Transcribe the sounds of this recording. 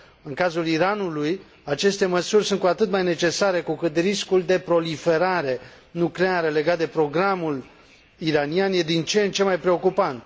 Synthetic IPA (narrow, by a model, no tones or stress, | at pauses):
ɨŋkazuliɾanuluj | at͡ʃe̞st̪e̞məsurʲsunt̪̚kuat̪ɨt̪majne̞t͡ʃe̞saɾe̞kukɨt̪riskuld̪e̞pɾo̞life̞ɾaɾe̞ | nukleaɾəle̞ɡat̪̚d̪e̞pɾo̞ɡɾamul | iɾanianje̞d̪int͡ʃent͡ʃe̞majpɾe̞o̞kupant̪